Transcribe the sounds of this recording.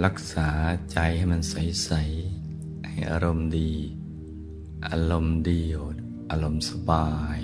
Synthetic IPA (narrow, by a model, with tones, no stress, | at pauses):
la˧˩k̚saː˩˦t͡ɕa˧jha˥˩jma˧nsa˨˦jsa˨˦j | ha˧˩jʔa̰ː˧ɾo˧˨mdiː˧˩ | ʔa̰˧lo˧˩mdiː˧ow̪ | ʔaː˧lo˧˨msa˧baː˧j